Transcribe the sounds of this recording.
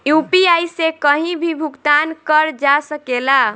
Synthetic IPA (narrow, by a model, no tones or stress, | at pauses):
jupiajsekəɦĩbʱibʱuɡt̪ankəɾd͡ʒasəkela